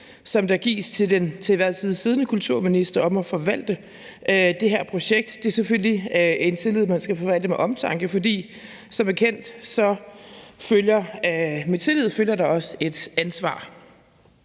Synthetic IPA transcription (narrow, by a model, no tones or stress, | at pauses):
sɒ̽md̥ɑ̈ɡ̥ḭːst͡sʰe̝ld̥ent͡sʰe̝iʋæɐ̰t͡sʰiðˠsiːð̞ˠnəkʰult͡sʰuɐ̰minisd̥ɐɒ̽mæfɒ̽ʋæl̰d̥ə | d̥e̝ɦeɐ̰pʰʁo̝ɕeɡ̥̚d̥d̥e̝ɐseføl̰lie̝nt͡sʰe̝lið̞̰ˠmænsɡ̥æfɒ̽ʋæl̰d̥əmeʔɒ̽mt͡sʰɑ̈ŋɡ̥əfɒ̽d̥ḭː | sɒ̽mæɐkʰen̰d̥sɒ̽ | føljɐmet͡sʰe̝lið̰ˠføljɐɾ̥ɑ̈ɒ̽səe̝d̥ænsʋɑ̰̈ː